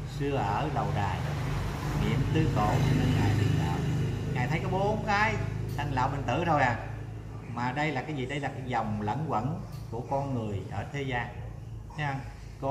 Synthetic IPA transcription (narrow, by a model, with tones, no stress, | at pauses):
sɨ˧əʔəː˧˩ɗə˨˩wɗaː˨˩j | nḭ˧˨əmt̪ɨ˨˦ko̰˨˩t͡ɕɔ˧ne˧nŋaː˨˩jɗḭ˨˧˩la̰ː˨wŋaː˨˩jt̪ʰə˨˦jkɔː˨˦ɓo˨˦ɓo˨˦nkaː˨˦jʔa˧ŋla̰ː˧˨wɓə˨˩nt̪ɨ˧˩ɾo˧jnaː˨˩ŋ | maː˨˩ɗə˧jlaː˨˩kaː˨˦jzḭ˨˩ɗə˧jlaː˨˩kaː˨˦jzɔ˨˩wŋ͡mlə̰˧˥nkwə̰˧˥nku˧˩əkɔ˧nŋɨ˨˩əjʔəː˧˩t̪ʰe˨˦zaː˧n˧˦˧ | kɔ˧˦